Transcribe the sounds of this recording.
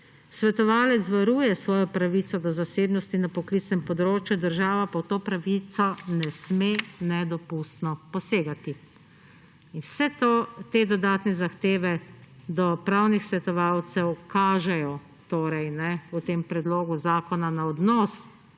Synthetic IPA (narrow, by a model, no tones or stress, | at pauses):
sʋɛt̪ɔʋaːlɛt̪sʋaɾuːjɛsʋɔːjɔpɾaʋit̪sɔd̪ɔzaseːbnɔst̪inapɔklit̪snɛmpɔd̪ɾoːt͡ʃjud̪əɾʒaːʋapawt̪oːpɾaʋit̪sɔnɛsmenɛd̪ɔpust̪nɔpɔseːɡat̪i | inwsɛt̪ot̪ed̪ɔd̪aːt̪nɛzaxt̪eːʋɛd̪ɔpɾaːwnixsʋɛt̪ɔʋaːwt̪sɛwkaːʒɛjɔ | t̪oːɾɛjnɛut̪eːmpɾɛd̪loːɡuzaːkɔnanaɔd̪nɔs